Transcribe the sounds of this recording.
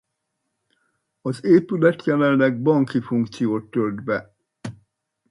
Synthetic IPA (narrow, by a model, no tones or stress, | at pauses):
ɒzeːpylɛt̪jɛlɛnːɛɡ̚bɒŋkifuŋkt̪sijoːt̪ːøld̪bɛ